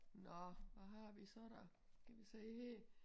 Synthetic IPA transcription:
nɒʋæɦɑ̈ʋisɒɾ̥æ | kʰæʋiseːheː

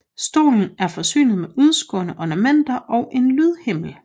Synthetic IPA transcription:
sd̥o̝̰ːln̩æɐfɒ̽sy̰ːnð̩ˠmeʔuð̞ˠsɡ̥ɔ̰̽ːnəʔɒnæmen̰d̥ɐʔɒ̽ʊʔe̝nlyðˠhe̝m̰l̩

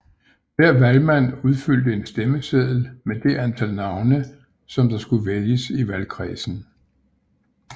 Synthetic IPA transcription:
ʋ̥æɐ̰ʋælmæn̰uð̞ˠfyl̰d̥əe̝nsd̥eməseðˠl̩med̥e̝ʔænt͡sʰælnɑ̈ʊnə | sɒ̽md̥ɑ̈sɡ̥uʋeljəsiʋælkʰʁḭːsn̩

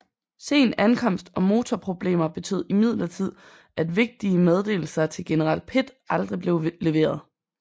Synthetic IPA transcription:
se̝̰ːnænkʰɒ̽m̰sd̥ɒ̽mo̝ːt͡sʰɒpʰʁo̝b̥le̝̰ːmɐb̥e̝t͡sʰy̰ð̰ˠimið̞̰ˠlɐt͡sʰið̞̰ˠ | æd̥ʋe̝ɡ̥̚d̥iəmeð̞ˠd̥e̝̰ːl̩sɐt͡sʰe̝lɡ̥enəʁɑ̈l̰d̥̚pʰe̝d̥ʔɑ̈ld̥ʁib̥le̝ʊle̝ʋe̝̰ːɐð̞ˠ

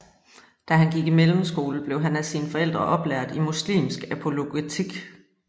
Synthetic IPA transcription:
d̥æɦænɡ̥iɡ̥imelm̩sɡ̥o̝ːləb̥le̝ʊɦænæsiːnəfɒ̽el̰d̥ʁɐʔɒ̽b̥læɐ̰d̥imuslḭːmsɡ̥æpʰo̝lo̝ɡ̥it͡sʰiɡ̥

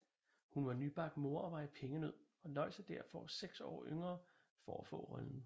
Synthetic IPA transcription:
hunʋɑ̈nyb̥ɑ̈ɡ̥mo̝ɐ̰ɒ̽ʋɑ̈ɪpʰeŋəne̝ð̰ˠ | ɒ̽lɒ̽ɪsəd̥æɐ̰fɒseɡ̥sɒ̰ːʔøŋɐː | fɒæfɔ̰̽ːʁœln̩

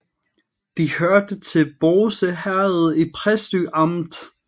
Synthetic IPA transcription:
d̥ihøɐd̥ət͡sʰe̝lb̥oːsəhæɐð̩ˠipʰʁɛsd̥yʔɑ̈md̥

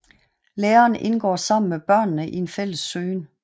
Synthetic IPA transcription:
leːɐːnʔe̝nɡ̥ɒ̰ːsɑ̈m̰n̩meb̥ɶɐ̰nːəʔie̝nfel̰əsːøːn

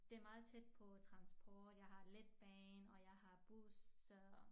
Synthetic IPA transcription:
d̥e̝æɐmɑ̈ːð̞̩ˠt͡sʰed̥̚pʰɒ̽t͡sʰʁɑ̈nsb̥ɒːd̥jɑ̈ɪɦɑ̈led̥̚b̥ɛːnɒ̽jɑ̈ɪhɑ̈b̥usːɒ̽

